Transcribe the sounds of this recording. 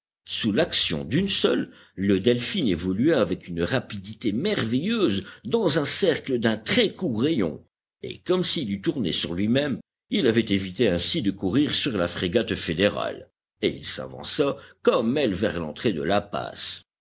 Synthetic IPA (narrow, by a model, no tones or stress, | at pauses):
sulaksjɔ̰̃d̪ynsɔlː | əd̪ɛlfinevɔlyaːvɛkynʁapid̪it̪emɛʁvɛjøːzd̪ɑ̃zɛ̃sɛʁkləd̪ɛ̃t̪χɛkuʁejɔ̰̃ | ḛkɔmsilyt̪uʁnḛsyʁlɥimɛm | ilavɛt̪evit̪eɛ̃sid̪əkuʁiʁsyʁlafχeɡat̪fed̪eʁa̰l | eḭlsa̰vɑ̰̃sakɔmɛlvɛ̰ʁlɑ̰̃t̪χed̪ə̰lapa̰s